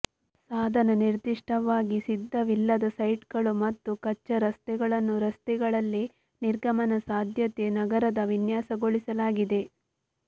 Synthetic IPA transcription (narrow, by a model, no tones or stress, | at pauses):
saːd̪ʱɐnɐniɾd̪iʂʈɐʋaːɡisid̪ʱːɐʋilːɐd̪ɐsɐjʈɡɐɭumɐt̪ːukɐt͡ʃːɐɾɐst̪ɛɡɐɭɐnːuɾɐst̪ɛɡɐɭɐlːi | niɾɡʱɐmɐnɐsaːd̪ʱjɐt̪e̞nɐɡɐɾɐd̪ɐʋinjaːsɐɡoɭisɐlaːɡid̪e̞